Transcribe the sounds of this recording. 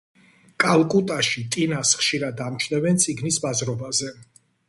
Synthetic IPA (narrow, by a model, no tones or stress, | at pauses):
kʼalˠkʼut̪ʼaʃit̪ʼinasχʃiɾad̪amt͡ʃʰnɛvɛnt̪sʼiɡnisbazɾɔbazɛ